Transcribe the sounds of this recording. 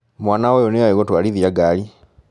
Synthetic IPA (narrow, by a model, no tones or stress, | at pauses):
mwaːnawoːjonijaiɣotwaːliðjaɡali